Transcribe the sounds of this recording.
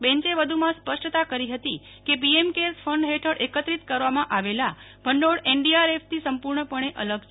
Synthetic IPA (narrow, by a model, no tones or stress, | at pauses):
bɛ̃ɲt͡ʃeʋəd̪ʱumãspəʂʈət̪akəɾiɦət̪i | kepiemkesfʰəɳɖɦeʈʰəɽʔekət̪ɾit̪kəɾʋamãʔaʋela | b̥ʱəɳɖoɽeɳɖiaɾefʰt̪isəmpuɾɳəpəɳ̃eʔələɡt͡ʃʰ